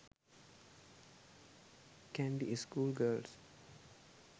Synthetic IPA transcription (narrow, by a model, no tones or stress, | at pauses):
kɛ̃nbiʔeskuːlɡəːls